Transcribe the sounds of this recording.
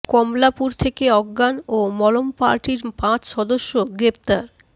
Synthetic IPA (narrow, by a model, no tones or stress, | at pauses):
kɔmlapuɾt̪ʰekeɔɡːanomɔlompa̰ɾʈiɾpãt͡ɕʃɔd̪oʃːoɡɾep̚t̪aɾ